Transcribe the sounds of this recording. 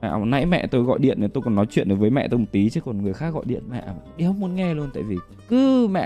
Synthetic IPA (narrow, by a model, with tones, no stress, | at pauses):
a̰ː˧˨˩nːa̰˧˥jmɛ̰˧˨t̪o˧jɣɔ̰˧˨jɗḭ˧˨ənːa˨˩t̪o˧jkɔ˨˩nːɔ˨˦jt͡ɕwḭ˧˨ənʔjvəː˨˦jmɛ̰˧˨t̪o˧m˨˩t̪̚i˨˦t͡ɕɨ˨˦kɔ˨˩nŋɨ˨˩əjxaː˦˥k̚ɣɔ̰˧˨jɗḭ˧˨ənma̰˧˨ʔɗi˧hə˦wŋ͡mmu˨˦ənŋɛ˧lu˧ənt̪a̰ː˧˨jvi˨˩ | kɨ˨˦ma̰ː˧˨